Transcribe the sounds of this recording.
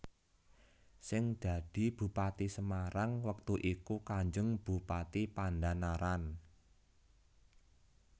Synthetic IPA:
sɪŋd̪̥ä̤d̥i̤b̥ṳpat̪isəmaɾaŋwək̚t̪uʔikukaɲd͡ʒʊŋb̥ṳpat̪ipanɖanaɾan

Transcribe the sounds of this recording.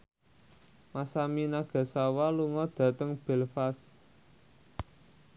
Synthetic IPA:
masaminaɡ̥a̤sawaluŋɔd̪̥ä̤t̪əŋb̥ɛ̤lfas

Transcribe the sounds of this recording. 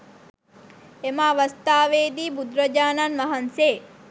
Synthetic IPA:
emaʋɐst̪aːʋeːd̪iːbud̪ɾɐd͡ʒaːnanʋɐɦɐnseː

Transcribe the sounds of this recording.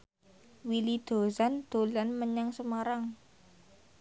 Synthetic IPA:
wilid̪̥o̤sand̪̥o̤lanməɲaŋsəmaɾaŋ

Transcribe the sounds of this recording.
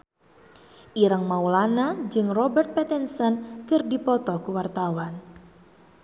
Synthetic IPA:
ʔiɾaŋmaulanad͡ʒɨŋrɔbɛrt̪̚pɛt̪ɛnsɔnkɨrdipɔt̪ɔkuwart̪awan

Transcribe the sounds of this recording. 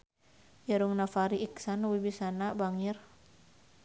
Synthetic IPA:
jaɾuŋnafaɾiiksanwibisanabaŋir

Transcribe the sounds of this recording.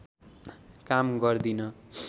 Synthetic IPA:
kamɡʌrd̪inʌ

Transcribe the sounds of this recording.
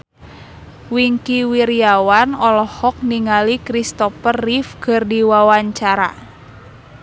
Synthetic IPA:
wiŋkiwiɾijawanɔlɔhɔk̚niŋalikɾist̪ɔfərifɡərdiwawaɲt͡ʃaɾa̰

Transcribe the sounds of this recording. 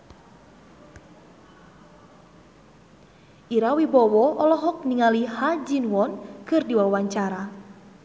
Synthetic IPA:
ʔiɾawibɔwɔʔɔlɔɦɔk̚niŋalihad͡ʒinwɔnkɨrdiwawaɲt͡ʃaɾa

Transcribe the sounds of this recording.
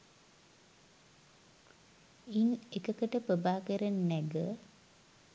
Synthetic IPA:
inekəkəʈəpəbaːkəɾenːæɡə

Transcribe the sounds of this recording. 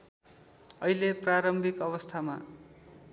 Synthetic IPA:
ʌjlepraɾʌmbʱikʌβʌst̪ʰama̰

